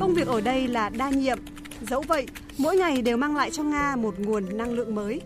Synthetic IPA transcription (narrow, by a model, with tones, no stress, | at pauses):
kə˧wŋ͡mvi˨˩ək̚ʔəː˧˩ɗə˧jlaː˨˩ɗaː˧ɲḭ˧˨əm | zə˨˦wvə̰˧˨jʔ | mo̰˧˥jŋa˨˩jɗe˨˩wmaː˧ŋla̰ː˧˨jt͡ɕɔ˧ŋaː˧mo˨˩t̚ŋu˨˩ənːa˧ŋlɨ̰˧˨əŋməː˨˦j